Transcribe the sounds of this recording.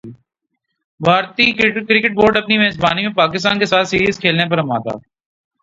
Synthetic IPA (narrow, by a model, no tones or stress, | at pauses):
bʱaːɾt̪ikɾɪkɪʈ̚boːɾɖɐpnimɛːzbaːnimẽpaːkɪst̪aːnkesaːt̪ʰsiːɾiːzkʰeːlnep̬ɐɾɐma̰ːt̪a̰ː